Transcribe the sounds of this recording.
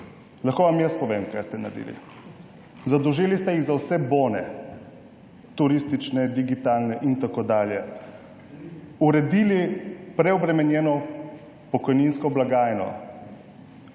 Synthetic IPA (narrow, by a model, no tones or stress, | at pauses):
laxkoːʋamjəspɔʋeːmka̰jst̪ɛna̰d̪ḭlḭ | zad̪ɔʒiːlist̪ɛjiɣzawsɛboːnɛ | t̪uɾist̪it͡ʃnɛd̪iɡit̪aːlnɛʔint̪akod̪aːljɛ | uɾɛd̪ilipɾɛɔbɾɛmɛnjɛːnɔ | pɔkɔjninskɔblaɡaːjnɔ̰